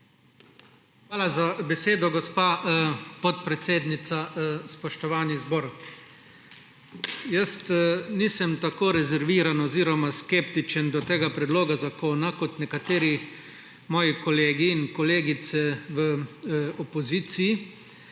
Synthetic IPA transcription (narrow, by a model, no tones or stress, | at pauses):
xʋaːlazabɛseːd̪ɔɡɔspaːpɔt̪̚pɾɛt̪seːd̪nit̪saspɔʃt̪ɔʋaːnizbɔːɾ | jəst̪nisəmt̪akoːɾɛzɛɾʋiːɾanɔziːɾɔmaskept̪it͡ʃənd̪ɔt̪eːɡapɾɛd̪loːɡazakoːnakɔt̪nɛkat̪eːɾi | mɔːjɛkɔleːɡiːnkɔleːɡit̪sɛʋəɔpɔziːt̪siji